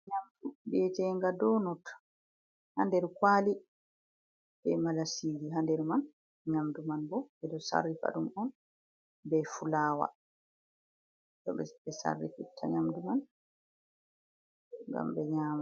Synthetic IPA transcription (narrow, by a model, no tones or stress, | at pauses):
ɲamdubɛd͡ʒɛŋɡadɔnɔt | handɛɾkwaːli | bɛmalasiːɡiɦandɛɾman | ɲamdumanbɔbɛdɔsa̰rːifa̰ɗumɔn | bɛfulaːwa̰ | tɔɓɛ̰bɛsa̰rːḭfitʰːa̰ɲamduman | ŋɡa̰mbɛɲaːma